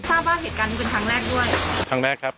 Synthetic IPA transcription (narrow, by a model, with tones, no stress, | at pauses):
saː˥˩p̚waː˥˩ɦe˨˩t̪ka˧n˧˥˩pe˧nkʰɾa˦˥ŋɾɛː˥˩k̚du˥˩əjkʰa˦˧˥ŋɾɛː˥˩kʰɾa˦˥p̚